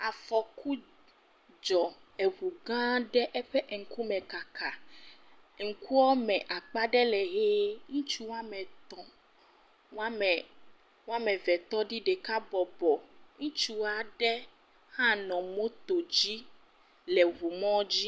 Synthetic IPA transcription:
a˨fɔ˨ku˦ | d͡ʒɔ˨ɛ˨βu˨ɡã˦ɖɛ˦ʔɛ˦ɸɛ˦ʔŋ̩˨ku˦mɛ̃˨ka˨ka˨ | ŋ̩˨ku˦wɔ˦mɛ̃˨ʔa˨k͡pa˦ɖɛ˦lɛ˨ɦe˦ŋũ˦t͡ʃu˦w̃a˦mɛ˨t̪ɔ̃˨ | ŋ˦a˦mɛ˨ | ŋ̃˦a˦mɛ̃˨vɛ˨t̪ɔ˦ɖi˦ɖɛ˨ka˦bɔ˨bɔ˨ŋũ˦t͡ʃu˦a˨ɖɛ˦ | hã˦nɔ̃˨mõ˦t̪o˨d͡ʑi˦ | lɛ˨βu˨mɔ̃˦d͡ʑi˦

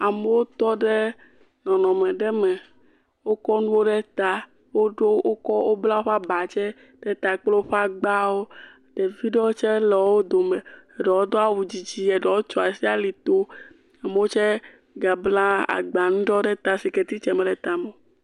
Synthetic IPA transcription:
a˨me˨˦wo˦t̪ɔ˦ɖɛ˦ | nɔ̃˨nɔ̃˨mɛ̃˨ɖɛ˦mɛ˨ | wo˦kɔ˦nũ˦wo˦ɖɛ˦t̪a˦ | wo˦ɖo˦o˦kɔ˦wo˦bla˦wo˦ɸa˦ba˨t͡ʃɛ˦ | ɖɛ˦t̪a˨k͡ple˦wo˦ɸa˦ɡ͡ba˦wo˦ | t̪ɛ˨vi˦ɖɔ˦o˦t͡ʃɛ˦lɛ˨wo˦d̪o˨mɛ˨ | ɖɔ˨wo˦d̪ɔ˦a˦˨wu˨d͡ʑi˦d͡ʑi˦ɛ˨ɖɔ˨wo˦t͡ʃo˦a˨si˦a˦li˨t̪o˦ | a˨me˨wo˦t͡ʃɛ˦ | ɡa˨bla˦a̰˨ɡ͡ba˨nũ˦ɖɔ˦ɖɛ˦t̪a˨si˨ke˨t̪i˦t͡ʃɛ˨mɛ̃˨ɖɛ˨t̪a˨me˨

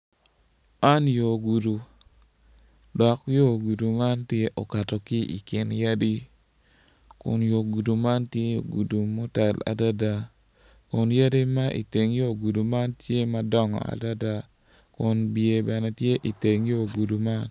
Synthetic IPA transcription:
a˦njo˨ɡu˨du˨ | dɔ˨kjo˦ɡu˨du˨ma˦ntje˦ʔɔ˨ka˨tɔ˨kɪ˦ʔḭ˨kɪ˨nja˦di˦ | kʊ̰˨njo˨ɡu˨du˨ma˦ntje˦jo˨ɡu˨du˨mo˦tɛ˨la̰˨da˦da˦ | kʊ˨nja˦di˦ma˦ʔḭ˨te˨ŋjo˦˨ɡu˨du˨ma˦ntje˦ma˨dɔ˦ŋɔ̰˨a̰˨da˦da˦ | kʊ˨nbje˨bɛ˨nɛ˨tje˦ʔi˨te˨ŋjo˦ɡu˨du˨ma˦n

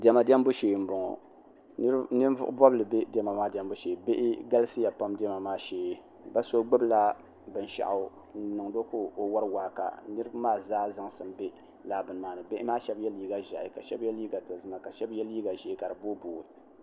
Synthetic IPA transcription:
dɛ˨ma˨dɛ˦m˦bo˦ʃeː˨m̩˨bɔ˨ŋɔ̰˨˦ | nɨ˦vʊ̰˦ʔʊ̰˦bɔ˦blɨ˨be˦dɛ˦ma˨maː˦dɛ˦m˦bʊ˦ʃeː˨be˦ʔɪ˦ɡa˦lɨ˦sɨ˦ja˨pa˦mdɛ˦ma˨maː˦ʃeː˨ | ba˦so˦ɡ͡bɨ˦bla˦ | bɨ˨n˨ʃa̰˨ʔa˨˦ | nɨ˨ŋdo˦ko˦o˨wa˦ɾɨ˦waː˨ka̰˨nɨ˦ɾɨ˦bmaː˦zaː˦za˦ŋsɨ˨mbe˦ | laː˨bɨ˨n˨maː˨nɨ˨be˦ʔɪ˦maː˦ʃɛ˦bjɛ˦liː˦ɡa˨ʒa̰˨ʔka˨ʃɛ˦bjɛ˦liː˦ɡa˨to˨zɨ˦ma˦ka˨ʃɛ˦bjɛ˦liː˦ɡa˨ʒe˨˦˨ka˨ɾɨ˨bo˦buː˨i˨

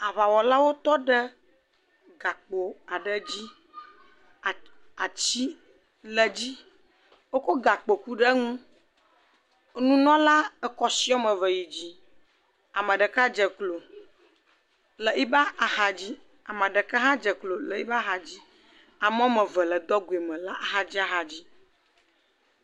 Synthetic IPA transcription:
a˨βa˨wɔ˨la˦wo˦t̪ɔ˦ɖə˦ | ɡa˨k͡po˨a˨ɖə˨d͡ʑi˦˨ | a˨t͡ɕi˦ | lə˨d͡ʑi˦ | wo˦ko˦ɡa˨k͡po˨ku˦ɖə˦ŋũ˦ | nũ˦nɔ̃˦la˦ə˨kɔ˨si˦ɔ˦mə̃˨və˨ji˨d͡ʑi˨ | a˨mə̃˨ɖə˨ka˦d͡ʒə˨klo˨ | lə˨ʔi˦ba˦a˨ha˨d͡ʑi˦ | a˨mə̃˨ɖə˨ka˦ɦã˦d͡ʒə˨klo˨lə˨i˦ba˦ɦa˨d͡ʑi˦ | a˨mɔ̃˦mə̃˨və˨lə˨d̪ɔ˦ɡu˨e˨mɛ̃˨la˦ʔa˨ɦa˨d͡ʑi˦a˨ɦa˨d͡ʑi˦

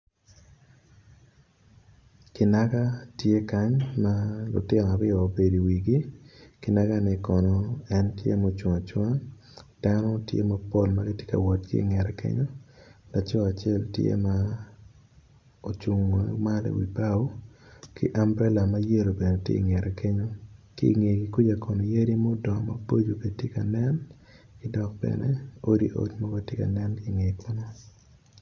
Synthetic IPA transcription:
kɪ˨na˦ɡa˦tje˦ka˦ɲma˦lʊ̰˨tɪ˦nɔ˨a˨ɾɪ˦ɔː˨be˨di˨wi˨ɡi˦kɪ˨na˦ɡa˦nɪ˦kɔ˨nɔ˨ɛ˦ntjḛ˦mao˨t͡ʃwɔ˨ŋa˨t͡ʃwɔ˦ŋa˦ | d̥a˦nɔ˦tjḛ˦ma˦po˦lmaɡɪ˦tje̥˦ka̰˨wɔ˨tɡḭ˦i˨ŋɛ˨ɾɛ˦kḛ˦ɲo˦la˨t͡ʃɔ˦a˨t͡ʃɪe˦˨ltjḛ˦ma˦ | o˨t͡ʃu˨ŋ˨ma˦lḛ˨wḭ˨ba˦wki˦ʔa˦mbɾɛ˦la˨ma˦je˦ɾo˨be˨ne˨tjḛ˦i˨ŋɛ˨ɾʔɛ˨ke˦ɲo˦ki˦i˨ŋe˨ki˨ku˦d͡ʒa˨ko˨no˨je˦ɾi˦mo˦dɔ˨ma̰˨bo˦d͡ʒo˨ke˨tje˦ka˨nɛ˦n | kɪ˦dɔ˨k̚bɛ̰˨ne˦o˦ɾi˦ʔo̰˦t͡ʃma˦ɡo˦tje˦ka̰˨nɛ˦nki˦˨ŋe˨kʰo˦no˦

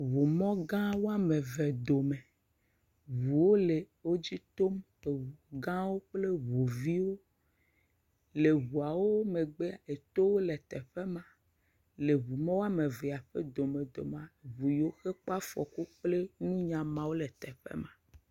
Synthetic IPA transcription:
βu˨mɔ̃˦ɡã˦wo˦a˦mẽ˨ve˨d̪o˨me˨ | βu˨wo˦le˨ | wo˦d͡ʑi˦t̪o˦m | e˨wu˨ɡã˦wo˦k͡ple˦βu˨vi˦wo˦ | le˨βu˨a˨wo˦me˨ɡ͡be˦a˨e˨t̪o˦wo˦le˨t̪ɛ˨ɸe˦mã˨ | le˨βu˨mɔ̃˦wo˦a˦mẽ˨vɛ˨a˨ɸḛ˦d̪o˨me˨d̪o˨mã˨βu˨jo˦xe˦k͡pa˦fɔ̰˨ku˦k͡ple˦nũ˦ɲã˨mã˦wo˦lɛ˨t̪ɛ˨ɸḛ˦mã˨

